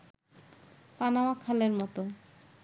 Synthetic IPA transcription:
panaoakʰaleɾmɔt̪o

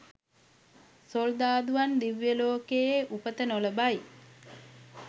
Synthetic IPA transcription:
sold̪aːd̪uand̪iʋjəloːkejeʔupət̪ənoləbaj

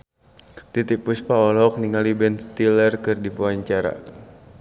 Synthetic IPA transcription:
t̪it̪ik̚pʊspaɔlɔk̚niŋalibɛnst̪ilərkɨrdipuaɲt͡ʃaɾa̰

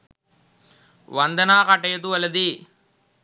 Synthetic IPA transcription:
ʋɐnd̪ɐnaːkɐʈɐjɐt̪uʋɐlɐd̪i

